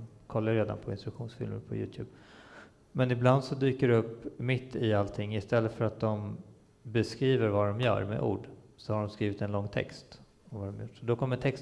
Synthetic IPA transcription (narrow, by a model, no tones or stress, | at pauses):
kʰɔlːaɾeːd̪a̰npʰɔɪnst̪ɾɵkɧuːnsfɪ̰lmə̰ɾpʰɔ̰jʉ̰ːt̪ʰjʉ̰ːb | mɛnɪbland̪sɔd̪yːkəɖɛɵpːmɪt̪ʰːɪalt̪ʰɪŋːɪst̪ɛlːət̪fœɾat̪̚d̪ɔm | bɛskɾiːvəɾvad̪ɔmjœ̰ːɾmḛʔṵːɖsɔhaɖɔmskɾiːvɪt̪ɛnlɔŋːt̪ʰɛ̰kst̪ | ɔmvad̪ɔmjʊʈːsɔd̪ɔkʰɔmːət̪ʰɛkst̪